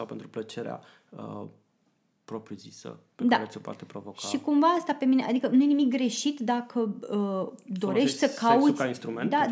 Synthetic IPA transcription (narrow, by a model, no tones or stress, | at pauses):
sawpent̪ɾuplət͡ʃe̞ɾḛa̰ | ə | pɾopɾiuzisə̰pedk̪aət̪sʲopoa̰t̪epɾovokʃaikumvaast̪ape̞mine̞ʔad̪ikənuje̞nimik̚ɡɾe̞ʃit̪d̪akʰəəd̪oɾe̞ʃt̪ʲsəkaut̪ainst̪ɾumend̪a